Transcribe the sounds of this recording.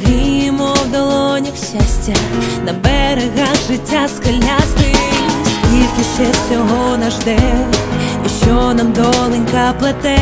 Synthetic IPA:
ɾimɔwd̪ɐlˠɔnʲixɕasʲtʲɐnɐbɛɾeɣaxʐɪtʲːaskɐlʲːast̪ɪ | ʋʲilʲkʲiʃɛsʲɔɦɔnɐʒd̪ɛ | iʃɔnɐmd̪ɔlˠɪnʲkɐplˠɐt̪ɛ

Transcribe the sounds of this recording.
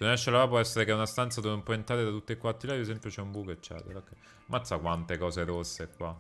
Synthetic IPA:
d̪nɛʃːelaap̬wɔɛsːeɾekɛunast̪ant̪sad̪oːveumpɔent̪ɾaːɾed̪at̪ut̪ːekwat̪ːilaiesɛmpjot͡ʃɛumbukoet͡ʃːɛ̰t̪eɾokːɛ | mʔat̪sakwant̪ekɔːseɾosːekːwa

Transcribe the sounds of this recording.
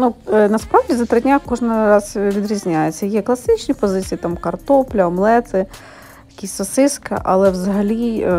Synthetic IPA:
nunɐspɾawdʲizɐt̪ɾɪdʲnʲakɔʐnɪɾɑzʋʲid̪ɾʲizʲnʲajet͡sʲːɐjɛklˠɐsɪt͡ʃnʲipɔzɪt͡sʲijit̪amkɐrt̪ɔplʲɐɔmlˠɛt̪ɪ | jɐkʲisʲsɔsɪskɐ̰ʔɐ̰lˠɛʋzɐɦɐlʲi

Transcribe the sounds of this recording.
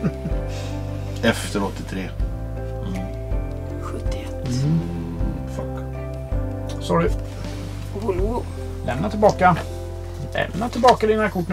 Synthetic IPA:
ɛft̪əɾɔt̪ːɪt̪ʰɾeː | ɧɵt̪ːɪɛt̪ː | fak | sɑːɖʏ | bulu | lɛ̰mnat̪ɪlbɑːka | lɛ̰mnat̪ʰɪlbɑːkad̪ɪnaɾkʰʊʈːɳ

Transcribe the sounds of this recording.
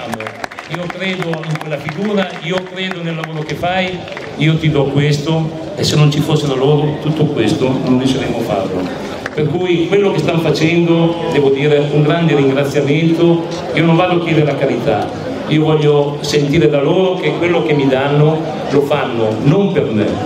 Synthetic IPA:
amoiːokɾeːd̪oiŋkwelːafiɡuːɾaiːokɾeːd̪onelːavoːɾokefaj | iːot̪id̪ɔkwest̪o | esːenont͡ʃifosːelaloːɾot̪ut̪ːokwest̪onond̪iʃeɾemːofa̰rlo̰ | perkujkwelːokest̪anfat͡ʃɛnd̪od̪ɛːvod̪iːɾeuŋɡɾand̪eɾiŋɡɾat̪sːjament̪o | iːonõɱvad̪oakjɛːd̪eɾelakaɾit̪a̰ | iovɔʎːo | sent̪iːɾed̪aloːɾokekwelːokemid̪anːo | lofanːonompermḛ

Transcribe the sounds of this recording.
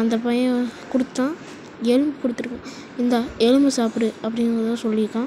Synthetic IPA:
ɐnd̪ɐp̬ɐjɐ̃kʊɽɯt̪ːãː | ɛɻɯmbɯkʊɽɯt̪ːɯɾɯkːʊ̃ | ɪnd̪aɛɻɯmbɯsaːpɯɾɯɐpːɐɽɪŋɡɾɐðt̪ãːsɔlːɪɾɯkːãː

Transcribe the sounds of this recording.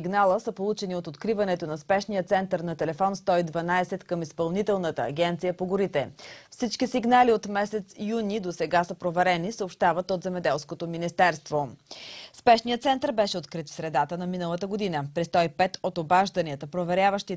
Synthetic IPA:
iɡnalˠəsəpolˠut͡ʃɛniot̪ot̪kɾivɐnɛt̪onɐspɛʃnijət̪sɛnt̪əɾnɐt̪ɛlɛfɔnst̪ɔid̪vɐnaɛsɛt̪kəmispɐlˠnit̪ɛlˠnət̪ə̰ːɡʲɛnt̪sijəpoɡoɾit̪ɛfsit͡ʃkisiɡnaliot̪mɛsɛt̪sijunid̪osɛɡasəpɾovɛɾɛnisəopʃt̪avət̪ot̪zɛmɛd̪ɛlˠskot̪ominist̪ɛɾst̪vospɛʃnijət̪sɛnt̪əɾbɛʃɛot̪̚kɾit̪fsɾɛd̪at̪ənɐminəlˠət̪əɡod̪inəpɾɛst̪ɔipɛt̪ot̪obaʒd̪əniət̪əpɾovɛɾʲjavəʃt̪i

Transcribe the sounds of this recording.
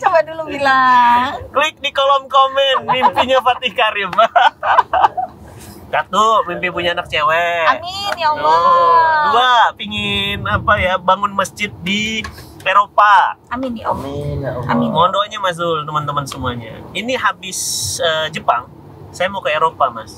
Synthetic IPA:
t͡ʃamadulubila | klɪk̚dikolɔmkomɛnmimpiɲafat̪ikaɾima | k̪at̪umimpip̬uɲaːnak̚t͡ʃewɛaminio | uapiŋɪnapajabaŋʊnməsd͡ʒɪt̪̚di | eɾopaaminio̰ma̰mɔndɔɲamas̬d̪ut̪əmənt̪əmənsəmuaɲa̰iniɦabɪsəd͡ʒəpaŋ | sajamkaeɾopamas

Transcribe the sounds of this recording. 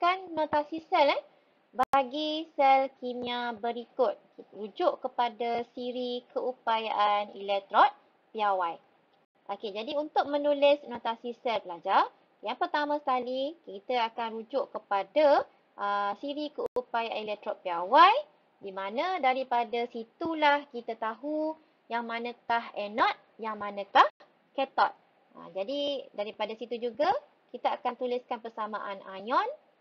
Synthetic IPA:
kanːot̪asisɛlɛ | baɡisɛlkimiabəɾikʊt̪̚kiud͡ʒʊʔkəpadasiɾikəupajaʔanḭlɛk̚t̪ɾɔt̪̚ | piawaj | ʔoked͡ʒadiunt̪ʊk̚mə̃nulɪsnot̪asisɛlpəlad͡ʒar | jaŋpərt̪amãsə̥kalikit̪əakanɾud͡ʒʊʔkəpada | ʔəsiɾikəuupajɛlɛk̚t̪ɾɔʔ̚piawaj | dimãnə̃daɾipadasit̪ulahkit̪at̪aɦu | jaŋmãnə̃kaɦɛnɔt̪̚jaŋmãnə̃kah | kɛt̪ɔt̪̚ | ʔə̰d͡ʒadidaɾipadasit̪ud͡ʒuɡa | kit̪aakant̪ulɪskanpərsamãʔana̰jɔn

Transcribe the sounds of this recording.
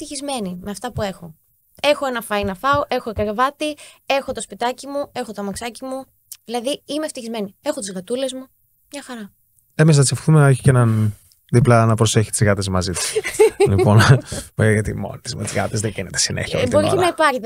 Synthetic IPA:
ft̪içizme̞nimeɐft̪ɐpue̞xo̞ | e̞xoe̞nɐfɐjnɐfɐoʔe̞xoekɐɾevɐt̪ie̞xo̞t̪o̞spit̪ɐcimue̞xo̞t̪omɐksɐcimu | ðilɐðiimeft̪içizme̞niexo̞t̪izɣɐt̪ule̞zmu | mɲɐxɐɾɐ | emes̬nɐt͡sefθumeeçi̥cenɐn | ðiplɐnɐpɾoseçi̥t̪izɣɐt̪esmɐzit̪i̥slipo̞n | ʝɐt̪imo̰nit̪izmet̪iiɣɐ̰t̪ezðeɡinet̪e̥sinḛçiɐo̰bt̪oɾiinɐipɐɾçit̪

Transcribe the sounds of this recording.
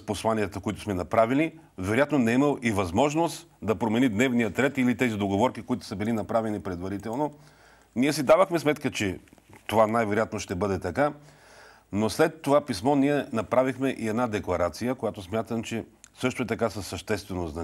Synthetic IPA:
sposlˠaniɛt̪əkoit̪ʊsmɛnɐpɾavili | vɛɾojat̪nonɛiməlˠivɐzmɔʒnost̪d̪ɐpɾomɛnid̪nɛvnijət̪ɾɛt̪ilit̪ɛzid̪oɡovɔɾkikoit̪ʊ̥səbilinɐpɾavɛnipɾɛd̪vɐɾit̪ɛlˠno | niɛsid̪avəxmɛsmɛt̪kət͡ʃɛ | t̪ovanajvɛɾojat̪noʃt̪ɛbɤd̪ɛt̪ɐka | noslɛt̪ːovapismɔniɛnɐpɾavixmɛʔiɛd̪nad̪ɛklˠɐɾat̪sijəkojat̪osmʲjat̪əmt͡ʃɛsɤʃt̪oɛt̪ɐkasəsːɐʃt̪ɛst̪vɛnoznɐ

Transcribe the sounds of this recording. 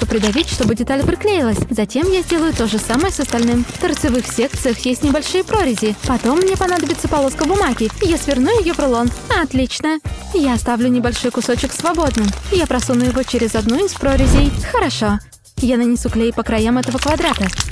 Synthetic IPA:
t̪opɾʲɪd̪ɐvʲitʲʂt̪o̞bɨdʲɪt̪alʲpɾʲɪklʲejɪlˠəsʲzɐtʲe̞mjazʲdʲe̞lˠəjʊt̪o̞ʐɨsaməjəsəst̪ɐlʲnɨmft̪ərt̪sɨvɨxsʲe̞kt̪sɨjəxjesʲtʲnʲɪbɐlʲʂɨjəpɾo̞ɾʲɪzʲɪpɐt̪o̞mːnʲepɐnad̪əbʲɪt̪səpɐlˠo̞skəbʊmaɡʲɪjasvʲɪrnujʊjɪjovrlˠo̞nɐɐt̪lʲit͡ɕnə | jaɐst̪avlʲʊnʲɪbɐlʲʂo̞jkʊso̞t͡ɕɪksvɐbo̞d̪nɨmjapɾɐsunʊjɪvot͡ɕeɾʲɪzɐd̪nuɪspɾoɾʲɪzʲɪjxəɾɐʂo̞ | janənʲɪsʲuklʲejpəkɾɐjamɛt̪əvəkvɐd̪ɾat̪ə

